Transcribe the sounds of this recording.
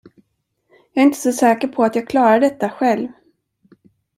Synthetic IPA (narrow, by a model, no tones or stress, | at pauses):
jɑːɾɪnt̪ʰə̥sɔsɛːkəɾpʰɔat̪jɑːɡ̚kʰlɑːɾaɖ̪ɛt̪ːaɧɛlv